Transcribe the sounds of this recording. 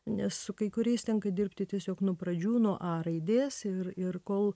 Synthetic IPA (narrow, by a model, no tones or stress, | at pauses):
nʲɛssʊkɐɪkʊɾʲɛɪst̪ʲɛŋkɐd̪ʲɪrpʲt̪ʲɪt̪ʲiɛsʲoːknuɔpɾɐd͡ʒʲuːnoːʔɑːɾɐɪd̪ʲeːsɪrɪrkoːlˠ